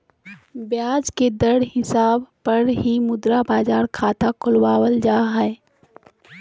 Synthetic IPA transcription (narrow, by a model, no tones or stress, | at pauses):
bjaːd͡ʒked̪əɽɦɪsaːbpɐɾɦimʊd̪ɾabaːd͡ʒaːɾkʰaːt̪akʰʊlwaːwəld͡ʒaːɦɛe